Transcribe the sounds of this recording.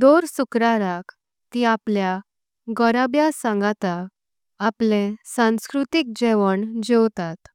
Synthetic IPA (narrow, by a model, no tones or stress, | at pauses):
d̪oɾsukɾaɾak | t̪iaplja | ɡəɾabjasãŋɡat̪aː | plẽsãw̃skɾut̪ik̚d͡ʑɛʋəɳd͡ʑewt̪at̪